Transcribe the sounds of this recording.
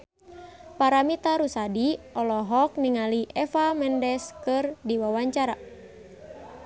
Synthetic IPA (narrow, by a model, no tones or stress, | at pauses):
paɾamit̪aɾusadiɔlɔɦɔk̚niŋaliʔɛfamɛndɛskɨrdiwawaɲt͡ʃaɾa